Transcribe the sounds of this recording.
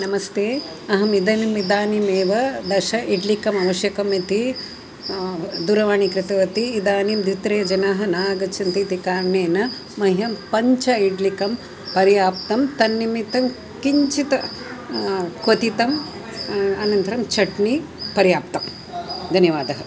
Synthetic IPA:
nɐmɐst̪eː | ɐɦɐmid̪ɐnimid̪aːnimeːʋɐd̪ɐʃɐʔiɖlikɐmɐʋɐʃjɐkɐmit̪i | d̪uɾɐʋaːɳikɾɪt̪ɐʋɐt̪iːd̪aːnimd̪it̪ɾeːd͡ʒɐnɐɦɐnaːɡɐt͡ʃʰɐnt̪it̪ikaːɾɳeːnɐ | mɐɦjɐmpɐɲt͡ʃɐiɖlikɐm | pɐɾjaːp̚t̪ɐmt̪ɐnːimit̪ɐm | kiɲt͡ʃit̪ɐ | kʋɐt̪it̪ɐm | ɐnɐnt̪ɐɾɐmt͡ʃʰɐʈni | pɐɾijaːp̚t̪ɐm | d̪ʱɐnjɐʋaːd̪ɐɦɐ

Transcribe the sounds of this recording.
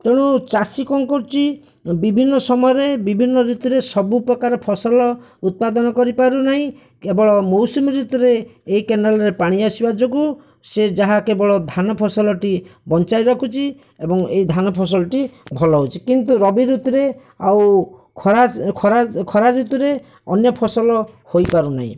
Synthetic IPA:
t̪eɽ̃ut͡ʃasikɔŋkoɾt͡ʃi | bibʱinːɔsɔmɔjɔɾebibʱinːɔɾut̪iɾesɔbupɾɔkaɾɔpʰɔsɔlɔ | ut̪̚pad̪ɔnɔkɔɾipaɾunaɦĩ | kebɔɭɔmowsumiɾut̪ɾeːikenalɔɾepaɽ̃iasibad͡ʒoɡu | sed͡ʒaɦakebɔɭɔd̪ʱanɔpʰɔsɔlɔʈibɔnt͡ʃajɾɔkʰut͡ʃʰi | ebɔŋejd̪ʱanɔpʰɔs̬ɔlɔʈibʱɔlɔɦut͡ʃʰikint̪uɾɔbiɾut̪ɔɾe | aw | kʰɔɾakʰɔɾakʰɔɾaɾut̪uɾe | ɔ̰njɔpʰɔsɔlɔhojpaɾuna̰ɦḭ̃

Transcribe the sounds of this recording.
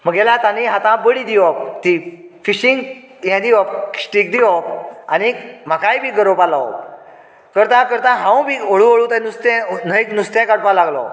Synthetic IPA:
m̤əɡɛlat̪aniɦãt̪ãbəɽid̪iʋɔk̚t̪ifiɕiŋɡ | jɛ̃d̪iʋɔp̚ksʈik̚d̪iʋɔanim̤akajbʱiːɡəɾopalaɔ̰ | kəɾt̪ãkəɾt̪ãɦãw̃bʱioɭũoɭũt̪anust̪ɛ̃nəit̪nust̪ɛ̃kaɽ̚palaɡlɔ̰

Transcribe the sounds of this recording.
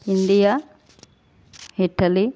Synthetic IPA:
iɳɖija | hiʈːɐli

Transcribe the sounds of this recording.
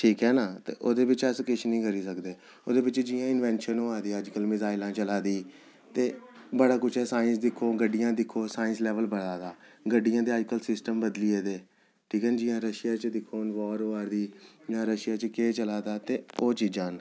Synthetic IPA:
ʈʰiːkɦɛːnaːt̪ḛːʔoːd̪eːbɪt͡ʃəskɪʃnĩːkəɾiːsəkd̪eː | o̰ːd̪eːbɪt͡ʃd͡ʒɪːãːɪnʋɛ̃ːnʃənoːaːd̪iːəd͡ʒkəlmɪzaːɪlãːt͡ʃəlaːd̪iː | t̪eːbəɽaːkʊt͡ʃʰɦɛːsaːɪ̃nsd̪ɪkʰːoːɡəɖɪjãːd̪ɪkʰːoːsaːɪ̃nslɛːʋəlbəɽaːd̪aːɡəɖɪjãːd̪eːəːd͡ʒkəlsɪsʈəmbəd̪liːeːd̪eː | ʈʰiːkɛːnd͡ʒɪjãːɾəʃɪjaːt͡ʃəd̪ɪkʰːoːnʋɔːɾoaːɾd̪iːjãːɾəʃɪjaːt͡ʃkeːt͡ʃəlaːd̪aːt̪eːoːt͡ʃiːd͡ʒãːn

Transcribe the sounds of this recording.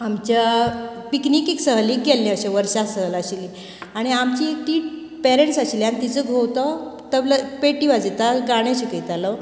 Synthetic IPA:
amt͡ɕapiknikeksəɦliɡɛlnjaəɕaʋəɾɕasəɦəlaɕili | aɽ̃iamt͡ɕikt̪iːʈ | pɛɾeɳʈsaɕiliañit̪id͡zəɡʱowt̪ɔt̪əbləpeʈiʋad͡zit̪aɡaɽ̃aɕikit̪alɔ

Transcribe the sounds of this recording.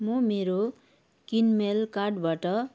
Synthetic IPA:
momeɾo | kinmelkarɖbaʈʌ

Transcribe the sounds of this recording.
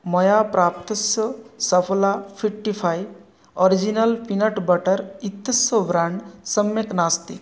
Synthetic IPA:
mɔjapɾʔaːp̚t̪ɐsjəsəpʰlapʰiʈːipʰaj | ɔɾid͡ʒinɐlpinɐʈbɐʈəɾit̪ːɐsjəbɾaɳɖsəmjeknast̪i

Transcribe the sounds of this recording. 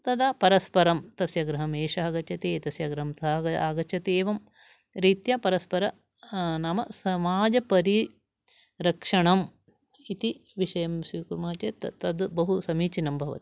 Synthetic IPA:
t̪ɐd̪aːpɐɾɐspɐɾɐmt̪ɐsjɐɡɾɐɦɐmeːʂɐɐɡɐt͡ʃʰɐt̪eːt̪ɐsjɐɡɾɐɦɐmt̪aa̰ːɡɐt͡ʃʰɐt̪eːʋɐm | ɾiːt̪jɐpɐɾɐspɐɾɐ | nɐmɐsɐmaːd͡ʒɐpɐɾi | ɾɐkʂɐɳɐm | it̪iʋiʂɐjɐmsʋiːkuɾmɐːɐt͡ʃet̪t̪ɐd̪bɐɦusɐmiːt͡ʃinɐmbʱɐʋɐ̰t̪i̥

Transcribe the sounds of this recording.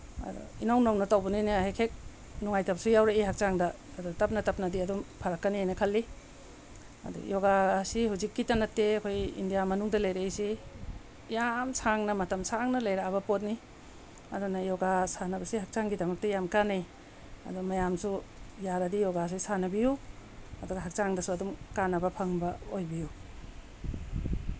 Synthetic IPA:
ɐ̰dɔ̰inawnomnɐtawbɐnijniɦekʰek̚ | nuŋajtapsujawɾeiɦak̚t͡ʃaŋdɐː | dɔtɐp̚nɐtɐp̚nɐdiɐdɔmpʰɐɾɐkːɐniajnɐkʰɐlːi | ɐ̰dɔ̰jɔɡaːsiɦuzikːitanɐtːeɐkʰojḭndijamɐnuŋdɐlajɾeːjsi | jamsʰaŋnɐmɐtɐmsʰaŋnɐlajɾaβɐpot̬̚ni | ɐdunɐjɔɡasanɐbɐsiɦak̚t͡ʃaŋɡidɐmɐk̚tɐjamkanaj | ɐ̰dumɐjamsujaɾɐdijɔɡas̬isanɐbijuɐduɡɐɦak̚t͡ʃaŋdɐsuɐdumkanːɐbɐpʰɐŋbɐojbiju

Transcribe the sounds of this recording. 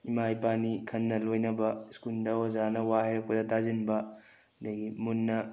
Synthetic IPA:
imajpanikʰɐnːɐlojnɐbɐskuldɐwazanɐwaɦeɾɐk̚pɐdɐtʰazinbɐ | dɐɡimunːɐ

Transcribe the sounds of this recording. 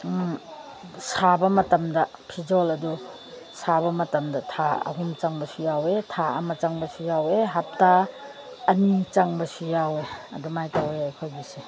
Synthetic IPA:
sabɐmɐtɐmdɐpʰid͡ʒɔlɐdu | sʰabɐmɐtɐmdɐtʰaɐ̰ɦumt͡ʃaŋbɐsujawetʰaɐ̰mɐt͡ʃaŋbɐsujaweɦap̚taː | nit͡ʃaŋbɐsujaweɐ̰dumajtaweɐjkʰojbise

